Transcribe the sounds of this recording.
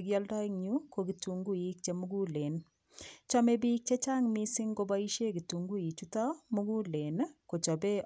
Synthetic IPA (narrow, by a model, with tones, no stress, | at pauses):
ɡjɔ˦ldɔ˦i˦ŋɲukokituŋɡu˦i˦k̚t͡ʃemu˦ɡu˦le˨n | t͡ʃɔ˦me˦biː˦k̚t͡ʃe˦t͡ʃa˦ŋmisi˦ŋɡo˦bɔ˦i˦ʃe˦ki˨tu˨ŋɡu˦i˨t͡ʃutɔ˦muɡu˦le˨nko˨t͡ʃɔ˨be˦